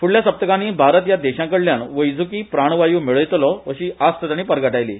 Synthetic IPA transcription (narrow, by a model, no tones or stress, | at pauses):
fuɭljasəp̚t̪əkãniːbʱaɾət̪jad̪eɕãkəɽljaɳʋəjd͡zʱukiːpɾaɳ̃ʋajuːmiɭəjt̪lɔʋəɕiːʔast̪ət̪aɽ̃iːpəɾɡəʈajlḭː